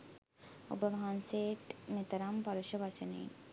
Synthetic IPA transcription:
o̰bəʋɐɦanseːʈmet̪ɐɾɐmpɐɾuʃəʋat͡ʃɐnḛːn

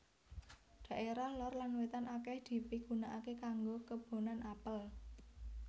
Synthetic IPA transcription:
d̪̥ä̤ʔeɾahlɔrlanwet̪anakɛhd̪̥i̤piɡ̥unaʔakekaŋɡokəb̥o̤nanapəl

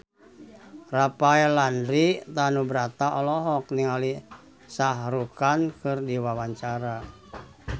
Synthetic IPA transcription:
rapaɛlandɾit̪anubɾat̪aʔɔlɔɦɔkniŋali | saɦɾukankɨrdiwawaɲt͡ʃaɾa

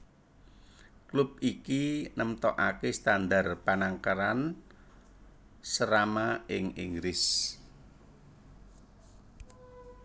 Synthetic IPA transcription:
klʊp̚ikinəmt̪ɔʔakest̪and̪arpanaŋkaɾan | səɾamaɪŋḭŋɡɾɪs

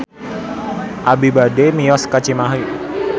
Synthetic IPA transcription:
ʔabibademijɔskat͡ʃimaɦi

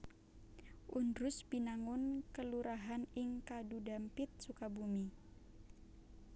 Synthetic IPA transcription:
ʔundɾʊsbinaŋʊnkəluɾaɦanɪŋkadudampɪt̪̚sukabumi

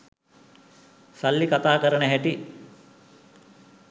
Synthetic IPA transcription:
salːikat̪aːkəɾəɳəɦæʈi

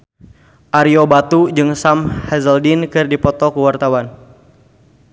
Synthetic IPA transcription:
ʔaɾiobat̪ud͡ʒɨŋsamhɛzəldinkɨrdipɔt̪ɔkəwart̪awan

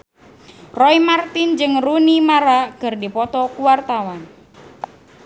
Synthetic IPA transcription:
rɔimart̪ɪnd͡ʒɨŋrunimaɾakɨrdipɔt̪ɔkuwart̪awan

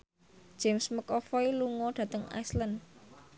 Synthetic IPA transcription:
d̥ʒ̥emsməkɔfɔiluŋɔɖ̪̥ä̤t̪əŋa̰jslən

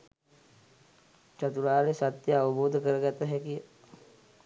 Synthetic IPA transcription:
t͡ʃɐt̪uɾaːlesat̪jəaʋuboːd̪ʱəkəɾəɡat̪əɦɛkijə

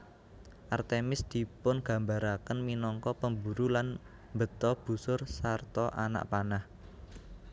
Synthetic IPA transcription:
ʔart̪emɪsd̪̥i̤pʊnɡ̥ä̤mbaɾakənminɔŋkɔpəmbuɾulan | mbə̤t̪ɔb̥ṳsʊrsart̪ɔʔa̰na̰ʔpanah

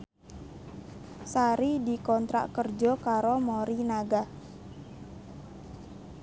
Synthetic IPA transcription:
saɾidikɔnt̪ɾa̰ʔkərd͡ʒɔkaɾomoɾinaɡah

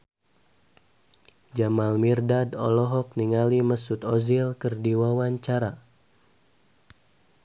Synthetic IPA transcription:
d͡ʒamalmirdadɔ̰lɔɦɔk̚niŋaliməsut̪ɔzilkərdiwawaɲt͡ʃaɾa

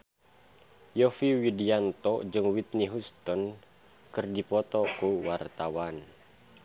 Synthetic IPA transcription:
jɔfiwidiant̪ɔd͡ʒɨŋwit̪̚niɦust̪ɔn | kɨrdipɔt̪ɔkuwart̪awan

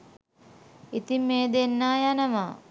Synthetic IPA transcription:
it̪imeːd̪enːaːjanɐʋa

